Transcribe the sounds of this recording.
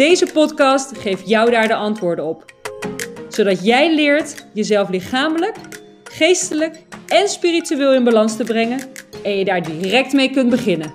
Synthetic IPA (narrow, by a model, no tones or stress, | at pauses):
dejzəpɔtkɑstχejftjɔwdaːɹdəʔɑntʋʊːɹdənɔp | sowdɑtjɛjlɪːɹtjəzɛlˠflɪχaːmələk | χejstələkɛnspirityʋɪːlˠɪnbalɑnstəbrɛŋənɛnjədaːɹdirɛk̚tmejkɵntbəχɪnən